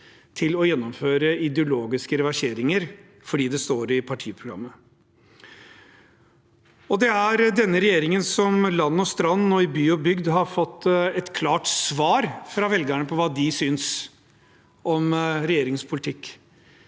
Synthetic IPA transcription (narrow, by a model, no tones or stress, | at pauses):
t̪ʰɪlɔjɛnːɔmføːɾəɪd̪ɛʊloːɡɪskəɾɛʋæʂeːɾɪŋəɾ | fɔɖiːd̪ɛst̪oːɾɪpʰɑʈʰiːəpʰɾʊɡɾɑ̰mːə | ɔd̪ɛæɾd̪ɛnːəɾɛjeːɾɪŋənsɔmlɑnːɔst̪ɾɑnːɔɪbyːʊbʏɡd̪ɦɑɾfɔt̪ːɛt̪kʰlɑːʈsʋɑːɾfɾɑʋɛlɡæɳəpʰɔʋɑːd̪ɪsyːns | ʔɔmɾɛjeːɾɪŋspʰʊlɪt̪ʰɪkː